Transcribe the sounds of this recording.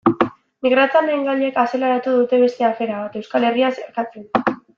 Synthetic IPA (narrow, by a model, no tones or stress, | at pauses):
miɣ̞ɾat͡sianeŋɡaʎe̞kaselaɾat̪uðut̪e̞βe̞st̪e̞afe̞ɾaβat̪e̞wskale̞riaseɾkat͡sen